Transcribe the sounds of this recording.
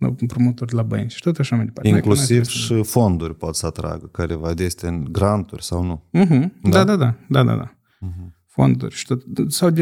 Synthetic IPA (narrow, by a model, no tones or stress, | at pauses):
a̰pɾomut̪orʲlabə̰nʲt͡ʃʃi̥t̪ot̪aʃamajd̪epaɾtieklusivʃifond̪urʲpot̪səat̪ɾa̰ɡəkaɾevad̪est̪ɨnɡɾant̪urʲsawnum̩ɦ̩d̪ad̪ad̪ad̪ad̪a̰d̪a̰ | fo̰nd̪ṵrʲʃi̥t̪ot̪sawd̪e